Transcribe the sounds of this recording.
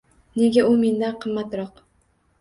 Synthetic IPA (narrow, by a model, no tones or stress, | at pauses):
ne̞ɡʲaʊme̞nd̪anqʰɨmːat̪ɾɒq